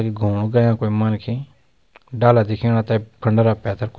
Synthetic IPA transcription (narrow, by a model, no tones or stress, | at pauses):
kiɡʱuːɽ̃ɡəjãːkoːimənkʰẽː | ɖaːlad̪ɪkʰeːɽ̃ãːt̪ɛkʰəɳɖɾaːpɛːt̪ʰəɾk